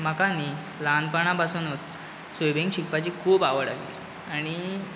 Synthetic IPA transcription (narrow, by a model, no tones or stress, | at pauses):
m̤əkani | lanpəɳ̃ãpasuːnət̪ | sojbʱeŋɡɕikpat͡ɕiːkʰuːbaʋəɽa̰ɡlḭ | aɽ̃i